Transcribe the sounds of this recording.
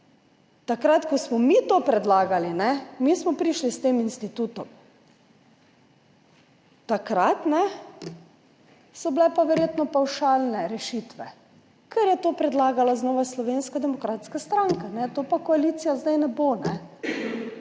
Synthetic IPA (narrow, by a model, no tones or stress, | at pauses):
t̪akɾat̪kɔsmɔmit̪oːpɾɛd̪laːɡalinɛmismɔpɾiʃlist̪eːminst̪it̪ut̪ɔm | t̪akɾat̪nɛ | sɔblɛpaʋɛɾjeːt̪nɔpawʃaːlnɛɾɛʃit̪ʋɛ | kʰɛɾjɛt̪oːpɾɛd̪laːɡalaznɔːʋaslɔʋeːnskad̪ɛmɔkɾaːt̪skast̪ɾaŋkanɛt̪oːpakɔalit̪sijazd̪ajnɛbonɛ